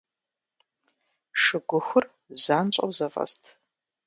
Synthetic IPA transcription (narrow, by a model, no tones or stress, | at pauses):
ʂɨɡʷʊxʷʊr | zaːnt͡ʃʷʼɐ̰wzɐfʼɐ̰stʰ